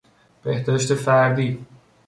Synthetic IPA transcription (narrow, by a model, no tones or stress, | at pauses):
b̥eht̪æɾeʃt̪efæɾd̪iː